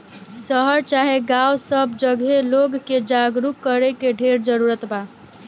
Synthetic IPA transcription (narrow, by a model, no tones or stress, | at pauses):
səɦəɾt͡ʃaɦeɡawsəbd͡ʒəɡɦeloɡked͡ʒaɡɾukːəɾekeɖʱeɾd͡ʒəɾuɾət̪ba